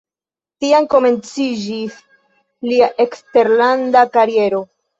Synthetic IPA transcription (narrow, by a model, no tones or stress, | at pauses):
tianko̞me̞nt͡sid͡ʒis | liaʔe̞kste̞ɾlandakaɾie̞ɾo̞